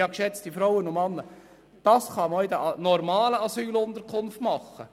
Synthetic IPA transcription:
ɑkʃɛt͡stifɾɔwənʊmɑnːə | d̥ɑsχɑmɔʏd̪æʔnɔɾmɑːləɑsyːlʊnd̪əɾkʰʊnftmɑχːə

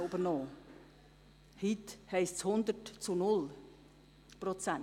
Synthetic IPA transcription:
ʊbəɾnɔː | hithɛɪstt͡shʊnd̪ətt͡sunʊl | pɾɔt͡sæn

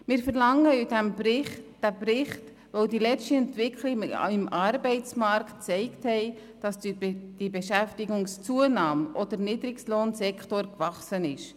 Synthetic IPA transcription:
mɪːɾfəɾlɑŋːəidæmbɾɪχtd̥æprɪχt | ʋoʊdilɛt͡ʃtiɛntvɪkʰlɪɪmɑɾbɛɪt͡smɑɾktt͡sɛɪkthɛɪ | d̥ɑsd̥ibeʃæftɪɡʊŋst͡suənɑːmʔɔd̪əɾniːd̪ɾɪksloːnsɛkχtoɾkvɑχsənɪʃ

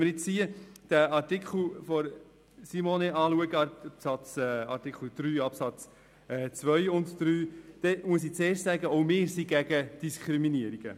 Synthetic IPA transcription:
məɾjɪt͡ssiəd̥æɑɾtikχl̩fɔɾ | simoneʔɑːluəɡəpsɑt͡sɛɑɾtikχl̩d̥ɾyːɑpsɑt͡s | ɛːt͡sʋœjʊntd̪̥ɾyːd̥ɛmuəs̬iːt͡seːrʃtsæɡəoʊmɪːɾsiɡ̥æɡəd̥iskʰɾiminiəɾiɡ̥ə

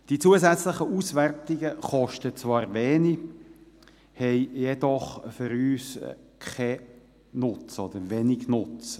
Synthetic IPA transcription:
d̥it͡suəzæt͡sləχəʔusværtɪɡəχɔʃtət͡svɑːɾʋɛːni | hɛɪjɛd̪ɔχfʏɾyːskʰɛ | nʊt͡sɔd̥̪əɾʋɛnɪɡnʊt͡s

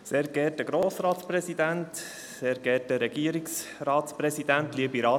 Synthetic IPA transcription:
seːɾɡ̥ɛt̚dəɡɾoːsɾɑːt̪sprɛsidænt | seːɾɡɛt̚dəɾɛɡ̥iəɾiksrɑːt̪sprɛsid̥̪æntliəbiɾɑː

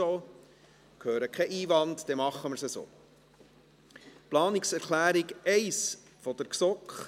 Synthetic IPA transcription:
oː | khøːɾəkʰɛʔiːvɑntd̥ɛmɑχːəməɾsəso̰ː | plɑːniksɛɾklæːɾiɡɛɪs | fɔd̥̪əɾksɔkχ

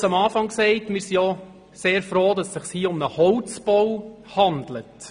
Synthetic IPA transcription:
sɑmɑːfɑŋksɛɪtmɪɾsijɔ | seːɾfɾoːdɑsːɪχshiːʊmnəhɔwt͡sb̥ɔwhɑndlət

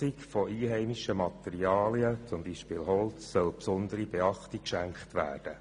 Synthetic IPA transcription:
ikfɔʔiːɦɛɪmiʃəmɑt̪ɛɾiɑːliət͡sʊmbiʃpɪːlɦɔltt͡sːœlpsɔnd̪əɾibeɑχtikkʃæŋkχtʋæ̰ːrd̥ə

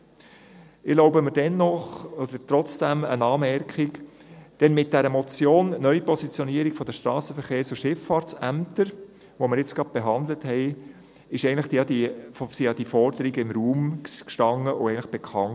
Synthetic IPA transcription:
ɪloʊbəməɾd̥ɛnːɔχɔd̥̪əɾt̪ɾɔt͡sd̥æmə̰nɑːmɛɾkχɪk | d̥ɛnmɪt̚d̥ɛɾəmɔt͡sjoːnnœʏpɔsit͡sjɔniəɾiɡfɔd̥̪əʃtɾɑːsəfəɾχeːɾsʊʃɪffɑːɾtt͡sæmt̪əɾ | ʋoməɾjɪt͡sɡ̥ɾɑt̚b̥eɦɑnd̪ləthɛɪ | ɪʃɛɪənlɪχd̥iɑd̪isiɑd̥̪ifɔɾd̪əɾiɡəɪmɾuːmkʃtɑŋːəʔʊɛɪən̩lɪχb̥ɛkʰɑnt

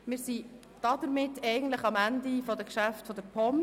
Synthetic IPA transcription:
mɪːɾsi | d̥ɑd̥əɾmɪtːɛɪɡən̩t̪ləχɑmændifɔdəkʃæftfɔd̥̪əɾpʰɔm

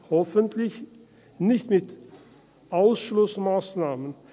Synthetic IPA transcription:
hɔfəntʰlɪç | nɪçtmɪt | ʔaʊsʃlʊsmaːsnaːmən

